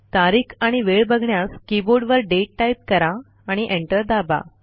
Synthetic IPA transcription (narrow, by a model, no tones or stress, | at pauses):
t̪aɾiːkʰaɽ̃iʋeɭbəɡʱɳjaskiboɾɖʋəɾɖeʈːajp̚kəɾaː | ɽ̃iʔeɳʈəɾd̪aba̰